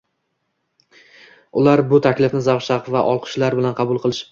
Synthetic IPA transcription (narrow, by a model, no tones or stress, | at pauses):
ʊlaɾbʊt̪ʰakʲlɪfnɪzawʃaqvaʔɒlˠqʰɨ̥ʃlaɾbɪlanqʰɑbʊlˠqʰɨlˠɪʃ